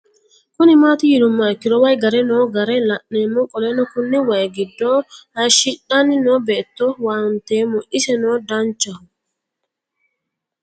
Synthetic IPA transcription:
kʊnɪmaːt̪ɪjɪd̪ʊmːɐɪkːɪd̪ɔwɐjɡɐɾɛnoːɡɐɾɛlɐʔneːmːɔkʼɔleːnɔkʊnːɪwɐjɡɪd̪ːoːɐjʃiᶑɐnːɪnoːbeːt̪ːowaːʊnt̪eːmʊʔɪsɛnoːd̪ɐnt͡ʃːɐhʊ

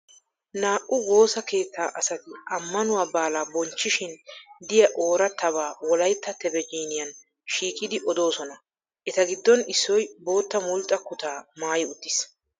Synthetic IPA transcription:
naːʔʊwo̞ːsɐke̞ːt̪ːaːʔɐsɐt̪ɪʔɐmːɐnʊwaːbaːlaːbɔnt͡ʃːɪʃɪnd̪ɪjɐʔo̞ːɾɐt̪ːɐβaːwɔlɐjt̪ːɐt̪ɛbɛd͡ʒiːnɪjɐn | ʃiːkʼɪd̪ɪʔɔd̪o̞ːsɔnɐ | ʔɛt̪ɐɡɪd̪ːɔnɪsːɔjbo̞ːt̪ːɐmʊlt̪ʼːɐkʊt̪aːmaːjɪʊt̪ːɪs

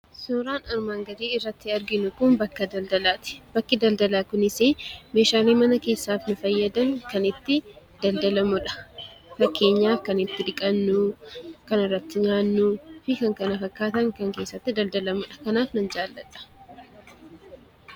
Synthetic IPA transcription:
soːɾaːnɐɾmaːŋɡɐd̪iːɪrːɐt̪ːɪɐɾɡɪnʊkʊnbɐkːɐd̪ɐld̪ɐlaːt̪ɪ̥b̥ɐkːɪd̪ɐld̪ɐlaːkʊnɪseːme̞ːʃaːliːmɐnɐke̞ːsːaːfnʊfɐjːɐd̪ɐŋkɐnɪt̪ːɪ | d̪̥ɐld̪ɐlɐmʊᶑɐ̥ | fɐkːe̞ːɲːaːfkɐnɪt̪ːɪd̪ɪkʼɐnːʊkɐnɪrːɐt̪ːɪɲaːnːʊfɪkɐŋkɐnɐfɐkːaːt̪ɐŋkɐŋke̞ːsːɐt̪ːɪd̪ɐld̪ɐlɐmʊᶑɐ̥kɐnaːfnɐnd͡ʒaːlːɐᶑɐ̥

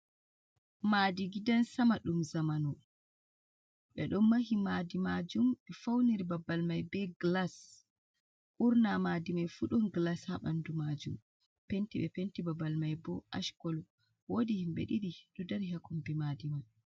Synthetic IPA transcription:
madiɡidansamaɗumzamanɔ | ɓɛ̰ɗɔnmːaɦimadimad͡ʒumɓɛfawniɾibabːalmajbɛɡlas | ʔuɾnamadimajfuɗɔnɡlashaɓa̰ndumad͡ʒum | pentiɓɛpentibabalmajbɔʔaʃkɔlɔ | wodihimbḛɗiɾiɗɔdɛɾɦakumbimadimaj

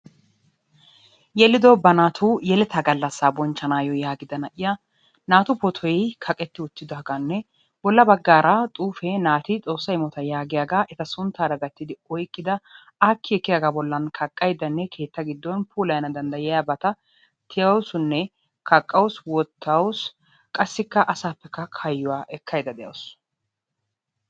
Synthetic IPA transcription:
jɛlːɪd̪ɔbɐnaːt̪ʰuːjɛlɛt̪ʰɐɡɐlːɐsːaːbɔnt͡ʃːɐnaːjɔjaːɡɪd̪ɐnɐʔɪjɐ | naːt̪ʊpɔt̪ʰɔjjkʰɐkʼɛt̪ːɪʊt̪ːɪd̪ɔɦɐɡɐnːɛ | bɔlːɐbɐɡːaːɾʔat̪ʼuːfɛnaːt̪ɪt͡sʼo̞ːsːɐjmɔt̪ɐjaːɡɪjaːɡaːʔɛt̪ɐsʊnt̪ːaːd̪ɐɡɐt̪ːɪd̪ɪɔjkʼːɪd̪ɐ | aːkːɪɛkːɪjaɡaːbɔlːɐnkʰɐkʼːɐjd̪ɐnːɛkʰe̞ːt̪ːɐɡɪd̪ːɔnpʰuːlɐjɐnɐd̪ɐnd̪ɐjɪjabɐt̪ɐ | t̪ʰɪjɐwsʊnːɛ | kʰɐkʼːɐwʊswɔt̪ʰːɐws | kʼɐsːɪkːɐʔɐsaːpːɛkːɐkʰɐjːʊwaːʔɛkʰːɐjd̪ɐd̪ɛjɐ̰ws

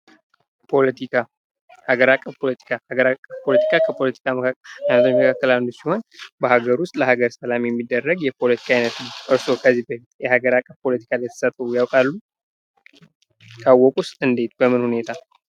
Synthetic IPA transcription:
pʰolət̪ʰika | haɡəɾakʼːəfpʰolət̪ʰi̥kʰahaɡəɾakʼːəpʰo̞lət̪ʰi̥kʰakʰəpʰo̞lət̪ʰi̥kʰaajnət̪ʰuməkʰakːəland̪usiho̞nbəhaɡəɾuʊst̪ʼləhaɡəɾsəlamjɛmːid̪ːərːəɡjɛpʰo̞lət̪ʰi̥kʰaːjnət̪ʔɨɾso̞kʰəzibə | jɛhaɡəɾakʼːəfpʰo̞lət̪ʰi̥kʰaljɛt̪ʰːə̥sat̪əjawkʼalːu | kʰʼawːɔkʼust̪ʼɨnd̪e̞t̪̚bəmɨnhune̞t̪ʰa

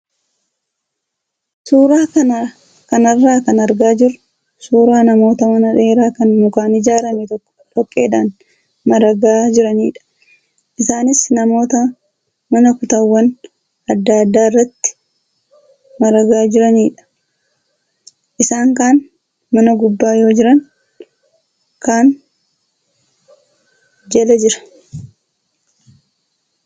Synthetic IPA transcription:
suːɾaːkɐnaː | kɐnɐrːaːkɐnɐɾɡaːd͡ʒɪɾ | suːɾaːnɐmo̞ːt̪ɐmɐnɐᶑe̞ːɾaːkɐnmʊkaːnɪd͡ʒaːɾɐmɛt̪ɔkːɔ̥ᶑɔkʼːeːᶑaːn | mɐɾɐɡaːd͡ʒɪɾɐniːᶑɐ̥ | ʔɪsaːnɪsnɐmo̞ːt̪ɐ | mɐnɐkʊt̪ɐwːɐn | ɐd̪ːaːd̪ːaːɪrːɐt̪ːɪ̥ | mɐɾɐɡaːd͡ʒɪɾɐniːᶑɐ̥ | ʔɪsaːŋkaːn | mɐnɐɡʊbːaːjo̞ːd͡ʒɪɾɐŋ | kaːn | d͡ʒɛlɛd͡ʒɪɾɐ̥

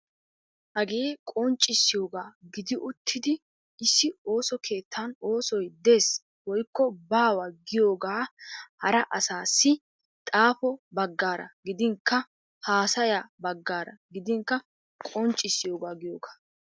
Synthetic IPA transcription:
ʔɐɡe̞ːkʼɔnt͡ʃʼːɪsːɪjo̞ːɡaːɡɪd̪ɪʔʊt̪ʰːɪd̪ɪ | ɪsːɪo̞ːsɔkʰe̞ːt̪ːɐno̞ːsɔjd̪e̞ːs | wɔjkːɔbaːwɐɡɪjo̞ːɡaːhɐɾɐʔɐsaːsːɪ | t̪ʼaːpɔbɐɡːaːɾɐ̰ɡɪd̪ɪŋkːɐ | haːsɐjaːbɐɡːaːɾɐ̰ɡɪd̪ɪŋkːɐ | kʼɔnt͡ʃʼːɪsːɪjo̞ːɡaːɡɪjoːɡḁː

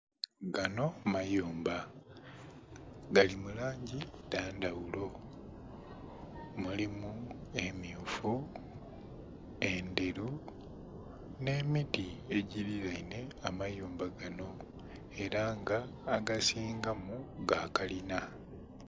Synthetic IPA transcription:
ɡano̞majoːmba | ɡalimulaːɲɟidaːndawulo̞ | mulimue̞miufu | e̞ndeɾu | ne̞ːmidie̞ɟiɾiɾaine̞amajoːmbaɡano̞ | e̞ɾaŋɡaːɡasiːŋɡamuɡakalina

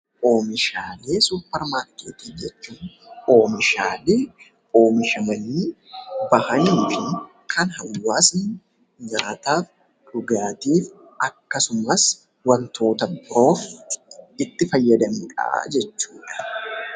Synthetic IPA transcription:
ʔo̞ːmɪʃaːle̞ːsuːpːɐɾmaːɾkḛːt̪iːfd͡ʒɛt͡ʃːuːn | o̞ːmɪʃaːleː | o̞ːmɪʃɐmɐniːbɐhɐniːfɪ | kʰɐnhɐwːaːsn | ɲaːt̪aːf | ᶑʊɡaːt̪iːf | ɐkːɐsʊmɐs | wɐnt̪ʰo̞ːt̪ɐbɾo̞ːf | ɪt̪ːɪfɐjːɐd̪ɐmiːᶑʼɐ̰d͡ʒɛt͡ʃːuːᶑɐ̥

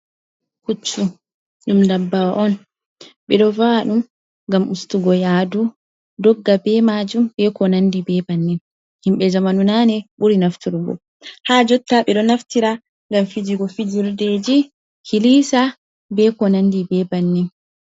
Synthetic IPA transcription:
kut͡ʃːu | ɗumndabːawaʔɔn | ɓɛɗɔvaɗum | ɡamustuɡɔjaːdu | dɔɡːabɛmad͡ʒumbɛkɔnandibɛbanːin | himɓɛd͡ʒamanunaːnɛɓuɾinaftiɾɡɔ̰ | haːd͡ʒɔtːaɓɛɗɔnaftiɾa | ŋɡamfid͡ʒiɡɔfid͡ʒiɾdeːd͡ʒi | kʰilisa | bɛkɔnandibɛbanːin

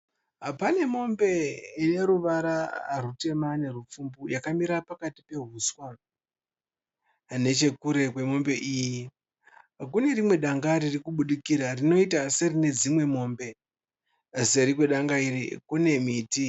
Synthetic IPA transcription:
ɦapane̞mo̞mbe̞ine̞ɾuʋaɾarute̞mane̞rup͡fumbujakamiɾapakati̥pe̞ɦuswa | ne̞t͡ʃe̞kuɾe̞kwe̞mo̞mbe̞ʔiːji | kune̞ɾimwe̞ɗaŋɡaɾirikuɓuɗikiɾarino̞itaserine̞d͡zimwe̞mo̞ːmbe̞ | seɾikweɗaŋɡairḭkune̞miːti

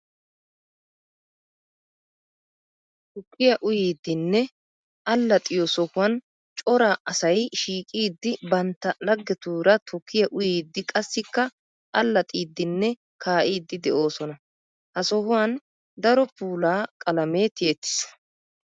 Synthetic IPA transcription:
t̪ʊkʰːɪjɐʔʊjiːd̪ːɪnːɛ | ɐlːɐt̪ʼɪjɔsɔhʊwɐn | t͡ʃʼɔɾaːʔɐsɐjʃiːkʼiːd̪ːɪbɐnt̪ːɐlɐɡːɛt̪uːɾɐt̪ʰɔkʰːɪjɐʔʊjiːd̪ːɪkʼɐsːɪkːɐ | ʔɐlːɐt̪ʼiːd̪ːɪnːɛ | kʰaːʔiːd̪ːɪd̪ɛʔo̞ːsɔnɐ | hɐsɔhʊwɐn | d̪ɐɾɔpuːlaːkʼɐlɐmeːt̪ɪjɛt̪ːɪ̥s

